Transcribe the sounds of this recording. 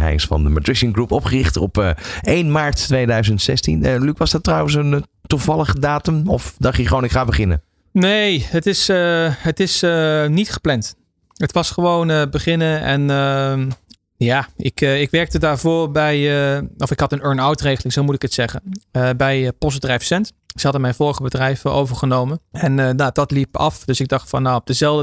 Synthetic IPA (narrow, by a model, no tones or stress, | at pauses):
ɛ̰jɪsfɑ̰ndəma̰tɹɪʃəŋɡrupɔpχərɪχtɔ̰pːejnmaːɹtːʋejdœɥzəntsɛstḭnəlykʋɑzdɑtːrɑwəns̬əntuvɑlˠəχdaːtəmɔfdɑχtəχəʋownɪkχaːbəχɪnə̰ | nejɦətɪsəɦətɪsənitχə̥plɛnt | ɦətʋɑsχəʋownəbəχɪnəɛnə | jaːɪ̰kɪkʋɛɹk̚tədaːɹvoːrbɛjəʔɔfɪkhɑtənøɹnawtreχəlɪŋzowmutɪkətsɛχənəbɛjpɔs̬bədrɛjfsɛnt | z̥səhɑdəmɛjnvoːɹəχəbədrɛjvəʔo̰wvəɹχənowmənɛnod̥ɑtlipɑ̰fd̥øsɪɡ̚dɑχtfɑ̰nːowɔb̚d̥əzɛlˠə